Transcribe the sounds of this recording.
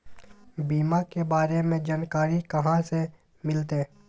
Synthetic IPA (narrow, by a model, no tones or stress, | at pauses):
biːmakebaːɾemẽd͡ʒaːnkaːɾikɐɦãse | mɪlt̪e